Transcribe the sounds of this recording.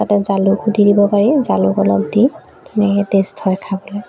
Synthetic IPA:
tatɛzalʊkʰudʱidibɔpaɹizalʊkɔlɔbdi | nɛdestʰɔjkʰabɔlɛ

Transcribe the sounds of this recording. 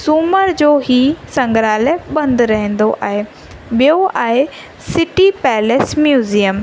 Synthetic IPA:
suːməɾd͡ʑoːɦisɐ̃ŋɡɾaːlebɐ̃nd̪ɾɐɦɛ̃n̆d̪oʔa̰ːɦe | ɓijoaːɦe | sɪʈipɛːleːsmjuːzijəm

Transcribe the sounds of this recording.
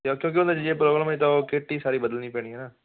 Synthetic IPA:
akjõːk̬ɪõnd̪ed͡ʒeːpɾoːɡɾəmːt̪aokɪʈːiːsaːɾiːbəd̪əlniːpɛ̃ːiːɦɛːnaː

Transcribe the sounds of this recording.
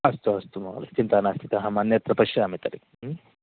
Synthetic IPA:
ɐst̪uɐst̪umɐ̰lɐ̰t͡ʃint̪ʰanast̪ʰit̪ɐɦɐ̃manjɐt̪ɾɐpɐʂjɐɐmit̪ɐɾik

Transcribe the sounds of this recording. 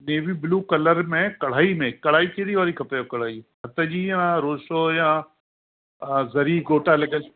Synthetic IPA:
neːʋibɪluːkɐləɾmẽkɐɽ̤aːimẽkɐɽ̤aːikʰeːɽiʋaːɾikʰɐpəjokɐɽ̤aːiɦɐt̪əd͡ʑiːjãɾoːʃoːjãː | zɐɾiːɡoːʈalɐɡəl

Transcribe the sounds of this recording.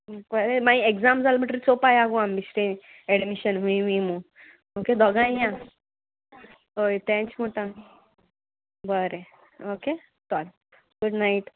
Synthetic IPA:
kəɾemaĩekd͡zamd͡zalm̤ə̃ʈɾit͡sopajaɡambisɾe | eɽmiɕənʋĩʋimũ | oked̪ʱɔɡãjã | ɦojt̪ɛ̃t͡ɕmoʈã | bəɾe | oke | t̪al | ɡuɽnaiʈ

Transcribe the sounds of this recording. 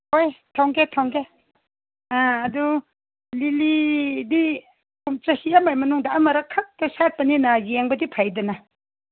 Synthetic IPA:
hojtʰawŋɡetʰawŋɡe | aːdu | lilidi | kumt͡ʃɐhiamajmɐnuŋdaʔamɐɾɐkʰak̚tɐsat̚pɐninajeŋbɐdipʰajdɐna

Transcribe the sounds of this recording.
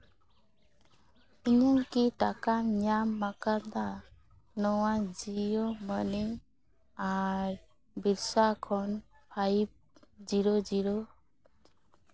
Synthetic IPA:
iɲaŋkitakaɲamːakaɾd̪a | nɔwad͡ʒijoməni | aɾ | biɾsakʰɔn | pʰaip̚d͡ʒiɾɔd͡ʒiɾɔ

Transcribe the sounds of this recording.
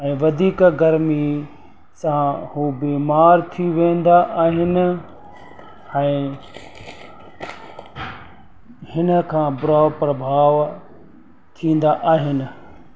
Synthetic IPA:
ɛ̃ːʋɐd̪ʱiːkɡɐɾmi | sãhuːbeːmaːɾt̪ʰiʋẽːn̆d̪aʔaːɦɪnɪ̆ | ɛ̃ː | hɪnə̆kʰãːbʊɾaːʋpɾɐbʱaːʋ | t̪ʰĩːn̆d̪aʔaːɦɪnɪ̆

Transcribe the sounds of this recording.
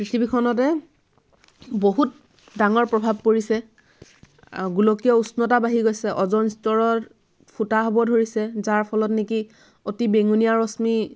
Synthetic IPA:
pɹitʰibikʰɔnɔtɛ | boɦut̚ | daŋɔɹpɹɔbʱab̚koɹisɛ | ɡulokijɔusnɔtabaɦiɡojsɛʔɔzɔnistɔɹɔt | pʰutaɦɔbɔdʱoɹisɛzaɹpʰɔlɔtneki | otibeŋunijaɹɔsmi

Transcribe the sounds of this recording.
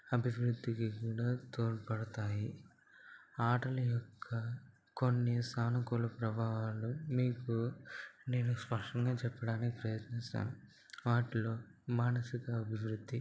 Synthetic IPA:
ɐbʱiʋɾud̪ʱːikikuːɽaːt̪oːɾpɐɽɐt̪aːji | aːʈɐlɐjɔkʰːɐ | ko̞nːisaːnɐkolɐpɾɐbʱaːɦaːlumiːkune̞ːnuspɐʂʈɐŋɡaːt͡ʃɛpːɐɽaːnikipɾɐjɐt̪nɛst̪a̰ːnu | ʋaːʈilo̞ːmaːnɐsiɡaɐbʱiʋɾud̪ʱːi

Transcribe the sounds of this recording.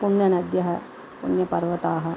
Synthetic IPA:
puɳjɐnɐd̪jɐɦɐ | puɳjɐpɐɾʋɐt̪aːɦɐ

